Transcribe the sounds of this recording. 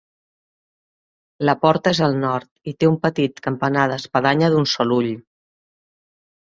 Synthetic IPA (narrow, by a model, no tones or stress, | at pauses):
ləpɔɾt̪əezəlˠnɔɾt̪it̪eumpət̪it̪kəmpənaðəːspəðaɲəðunsɔluʎ